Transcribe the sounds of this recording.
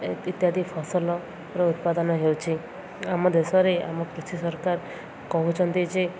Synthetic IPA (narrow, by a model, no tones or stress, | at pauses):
it̪jad̪ʱipʰɔsɔlɔ | ɾɔut̪̚pad̪ɔnɔɦewt͡ʃʰi | amɔd̪esɔɾea̰mɔkɾit̪ʰisɔɾkaɾ | kɔɦũt͡ʃʰɔnt̪id͡ʒe